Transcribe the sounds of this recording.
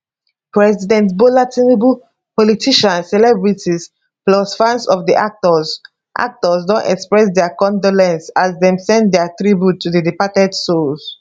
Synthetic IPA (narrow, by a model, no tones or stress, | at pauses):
pɹɛzidɛ̃ntbolatʰinbu | pɔlitʰiʃãnsɛlɛbɹitis | plɔsfãnsɔfdiʔak̚tɔz | ʔa̰k̚tɔsdɔ̃ntɛkspɹɛsdɛakɔ̃ndɔlɛ̃nsazdɛ̃msɛ̃ndɛatɹibjutʰːuðədipatɛdsuls